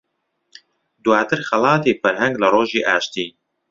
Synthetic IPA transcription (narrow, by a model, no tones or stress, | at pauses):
d̪waːt̪ʰɨɾxɐlˠɑːt̪iːfɐɾhɐŋɡlɐroːʒiːʔaːʃt̪iː